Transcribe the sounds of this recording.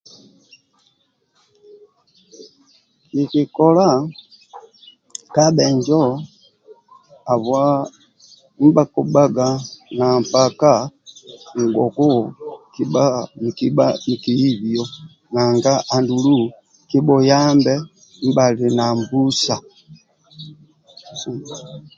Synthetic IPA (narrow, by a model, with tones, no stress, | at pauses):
ki˨ki˨kɔla˦ | ka˦ɓɛ˨ɲd͡ʒɔ˦ | a˨βwa˦ | m̩˦ba˨ku˨ba˦ɡa˨na˨mpaka˦ | ŋ˨ɡɔ˨ku˦ki˦ba˦ni˨ki˦ba̰˦i˨ki˨i˦βjɔ˦ | na˨ŋɡa˦ʔa˨ndulu˦ | ki˦bɔ˨jambɛ˦ | m̩˦ba˨li˨na˨mbu˦sa˨